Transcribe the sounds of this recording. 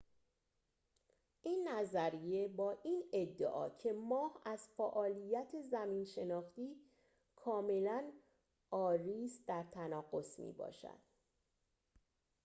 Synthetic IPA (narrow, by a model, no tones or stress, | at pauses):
ʔiːnːæzæɾije̞bɒːʔiːned̪ːḛʔɒ̰ːcʰe̞mɒːhæz̥fæʔɒːlijæt̪ʰe̞zæmiːnʃe̞nɒːxt̪iː | kʰɒːme̞læn | ɒːɾiːsd̪æɾt̪ʰænɒːɣo̞smḭːbɒ̰ːʃæ̰d̪̥